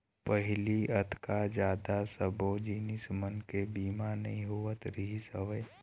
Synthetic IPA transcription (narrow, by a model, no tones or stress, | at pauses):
pəɦɪliət̪ʰkad͡ʒaːd̪asəbod͡ʒiːnɪsmənkebiːmanɐ̰ĩɦuət̪ɾiɦisəʋə